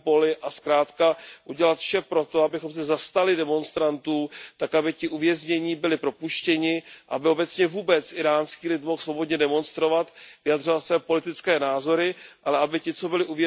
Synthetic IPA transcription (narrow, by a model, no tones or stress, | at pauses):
po̞lɪʔaskɾaːt̪kaʔuɟɛlat̪fʃɛpɾo̞t̪o̞abɪxo̞msɛzast̪alɪdɛmo̞nst̪ɾant̪uːt̪akabɪcɪʔuvjɛzɲɛɲiːbɪlɪpɾo̞puʃcɛɲɪʔabɪo̞bɛt͡sɲɛvuːbɛt͡sʔɪɾaːnskiːlɪt̪mo̞xsvo̞bo̞dɲɛdɛmo̞nst̪ɾo̞vat̪vɪjad̪r̝o̞vat̪svɛːpo̞lɪt̪ɪt͡skɛːnaːzo̞ɾɪʔalɛabɪcɪt͡so̞bɪlɪʔuvjɛ